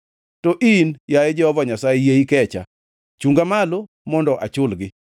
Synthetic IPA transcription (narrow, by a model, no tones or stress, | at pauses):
tɔʔinjajed͡ʒɛɔvɔɲasajejeikɛt͡ʃa̰ | t͡ʃuŋɡamalo | mɔndɔʔa̰t͡ʃʊlɡɪ